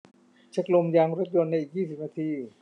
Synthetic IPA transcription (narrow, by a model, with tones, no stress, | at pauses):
t͡ɕʰa˦˥k̚lo˧mjaː˧ŋɾo˦˥t̪̚jo˧nːa˧ʔiː˨˩k̚jiː˥˩si˨˩p̚naː˧t̪ʰiː˧